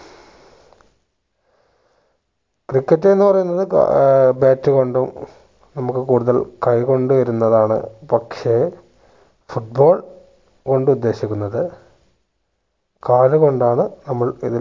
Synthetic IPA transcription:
krikːɐtːenːɨpɐrɐjunːɐðɨ̰baːtːɨko̞ɳɖum | nɐmukːɨkuːɽuðɐlkɐjko̞ɳɖuʋɐɾunːɐðaːɳɨ̰pɐkʂe̞ | fuʈ̚bo̞ːɭ | ko̞ɳɖɨud̪ːe̞ːɕikʲːunːɐðɨ | kaːɻɨko̞ɳɖaːɳɨnɐmːɐɭiðil

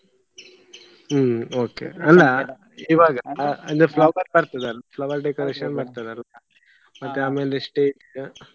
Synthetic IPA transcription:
oːkḛɐlːɐ | iʋaːɡɐɐnd̪uflɐʋɐɾbaɾt̪ad̪eɐlːafʰlɐʋɐɾɖekoɾeːʂɐnbaːɽt̪ad̪eɐlːa | mɐt̪ːeaːmeːlesʈeːʈ

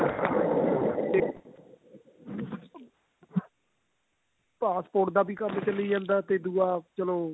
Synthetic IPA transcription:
eː | paːspoːʈ̚d̪aːbiːkəmt͡ʃəleiːd͡ʒãːnd̪aːt̪eːd̪uːaːt͡ʃəloː

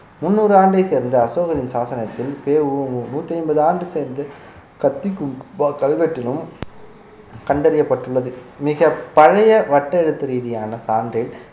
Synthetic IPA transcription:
mʊnːuːɾɯaːɳɖɐɪseːɾnd̪ɐɐsoːɣɐɾɪnsaːsɐnɐt̪ːɪlpeːʋɯnuːt̪ːɐɪnbɐðaːɳɖɯseːɾnd̪ɐ | kɐt̪ːikːkɐlʋɛʈːɪlɯm | kɐɳɖɐɾɪjɐpːɐʈːɯɭːɐðɯmɪɣɐpɐɻɐjɐʋɐʈːɐɛɽɯt̪ːɐɾiːðɪjaːnɐsaːɳrɪɽ

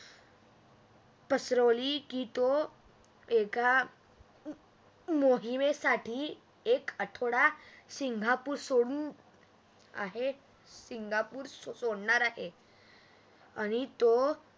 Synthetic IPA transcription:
pəsɾəʋlikiːt̪o | eka | moɦimesaʈʰiː | ekəʈʰoɽasiŋɡʱapuːɾsoɽun | a̰ɦe | siŋɡʱapuːɾssoɽɳaɾaɦe | aɽ̃it̪o

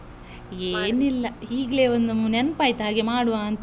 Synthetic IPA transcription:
eːnilːɐhiːɡleːond̪umunenpaːjt̪aːɡemaːɽuʋaːɐnt̪

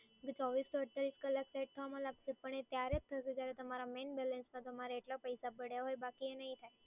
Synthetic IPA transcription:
ɡt͡ʃɔʋisɔəɽt̪aɾiskəlːakseʈ̚t̪ʰəʋamãlaɡsepəɳ̃et̪jaɾet̚t̪ʰːəʃed͡ʒjaɾet̪əmaɾamenbɛlensmãt̪əmaɾeeʈlapəjsabəɽjaɦojbakienəɦĩt̪ʰaj

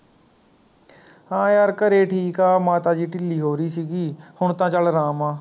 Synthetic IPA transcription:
ãːjaːɾkəɾeːʈʰiːkaːmaːt̪aːd͡ʒiːʈɪlːiːɦoːɾiːsiːɡiːhʊɳt̪ãːt͡ʃəlɾaːmãː

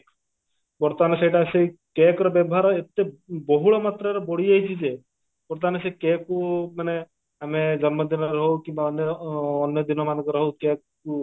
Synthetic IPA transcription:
bɔɾt̪ɔmanesejʈasekekɾɔbjɔbɔɦaɾet̪ebɔɦuɭɔmat̪ɾaɾɔbɔɽiaɦit͡ʃʰid͡ʒe | bɔɾt̪ɔmanesekekumane | amed͡ʒɔnmɔd̪inɔɾɾɦwkimbaɔnjɔːnjɔd̪inɔmanɔkɔɾɔɦowkekː | u

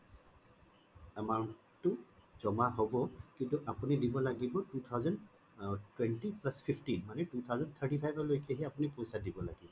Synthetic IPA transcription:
ɛma | tʊzɔmaɦobɔkintuʔapunidibɔlaɡibɔtut̪ʰawzɔn | twɛntiplaspʰipʰʈinmanɛtut̪ʰawzɔnt̪ʰəʈipʰajbɔlojkɛɦɛapunipojsadibɔlaɡibɔ

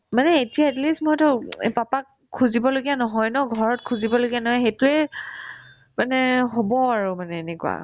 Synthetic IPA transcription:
manɛetiaɛtlistmɔɔtɔḛpapak̚ | kʰːuzibɔloɡijanɔɦɔjnɔɡʱɔɹɔtkʰuzibɔloɡijanɔɦɔjxetʊɛ | manɛɦobɔaɹumanɛːnɛkṵa̰

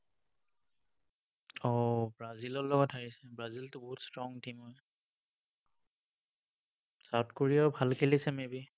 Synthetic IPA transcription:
ɔbɹazilɔlɔɡɔtʰaɹisɛbɹaziltʊbɔɦutstɹɔŋtimɔj | satkoɹijabʱalkʰelisɛmebi

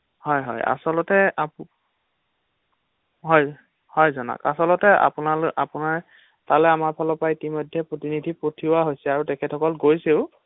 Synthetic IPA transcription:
hɔjɦɔ̰ja̰sɔlɔtɛap | ɦɔj | hɔjzɔna̰ka̰sɔlɔtɛa̰punalapunaɹ | talɛamaɹpʰalɔpajitimɔjdʱːɛpɹotinidʱipɹotʰiwaɦojsɛaɹutɛkʰɛtʰɔkɔlɡojseʊ

